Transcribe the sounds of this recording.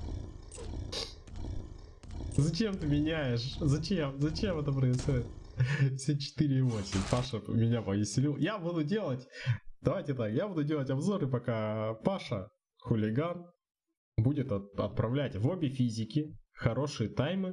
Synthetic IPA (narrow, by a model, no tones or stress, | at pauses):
zɐt͡ɕe̞mt̪ɨmʲɪnʲæjɪʂzɐt͡ɕemzɐt͡ɕe̞mɛt̪əpɾəɪsxo̞dʲɪt̪̚fsʲet͡ɕɪ̥t̪ɨɾʲɪːvo̞sʲɪmʲpaʂəmʲɪnʲapəjʲɪsʲlʲilˠjabud̪ʊdʲe̞lˠətʲd̪ɐvajtʲɪt̪akjabud̪ʊdʲe̞lˠətʲɐbzo̞ɾɨpɐkapaʂə | xʊlʲɪɡan | budʲɪt̪ɐt̪̚pɾɐvlʲætʲvo̞bʲɪfʲizʲɪkʲɪxɐɾo̞ʂɨjət̪ajmɨ